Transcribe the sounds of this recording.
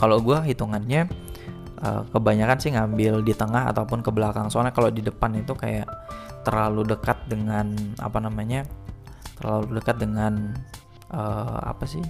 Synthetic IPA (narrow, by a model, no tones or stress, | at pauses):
kaloɡuaɦit̪uŋanɲa | ʔə̰kəbaɲakansɪhŋambɪldit̪əŋaɦa̰t̪aupʊnkəbəlakaŋsonakalodidəpanit̪uka̰ja̰ʔt̪ərlaludəkat̪̚dəŋana̰panamaɲat̪ərlaludəkat̪̚dəŋan | ʔəːa̰pasɪh